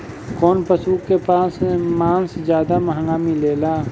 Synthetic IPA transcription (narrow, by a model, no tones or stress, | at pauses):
kɔːnpəsuːkːepaːssmaːnszjaːd̪amɐɦə̃ŋɡaːmileːlaː